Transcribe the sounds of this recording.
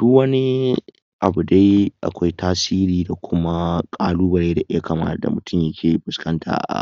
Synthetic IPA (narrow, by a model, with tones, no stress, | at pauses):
d̥ʊ˦kwɐ˦ni˦ | ʔa˨bu˨da˦jʔa̰˨kʷa˦jtʰaː˦siː˦ɾiː˨da˨kʷʊ˦ma˦kʼaː˦luː˦bɐ˨ɽe˦da˨ʔɪ˦ja˦ka˨ma̰ː˦tda̰˨mʊ˨tʰʊ˦mjɐ˦kʲʰeː˨bʊ˨skɐ˦ntʰa̰ː˨ʔa̰˨